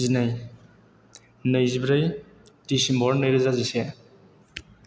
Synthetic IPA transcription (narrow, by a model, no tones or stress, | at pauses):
zinaj | nɯjzibɾɯj | tisimbɔɾnɯjɾɯzazisa